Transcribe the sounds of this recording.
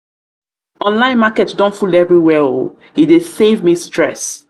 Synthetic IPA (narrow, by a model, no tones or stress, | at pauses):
ɔ̃nlãɪ̃nmakɛtdɔ̃ntfulɛvɹiwɛo | idesevmistɹɛ̰s